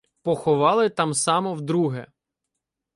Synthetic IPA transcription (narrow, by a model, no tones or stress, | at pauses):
pɔxɔʋɑlˠɪt̪ɑmsɑmɔwd̪ɾuɦɛ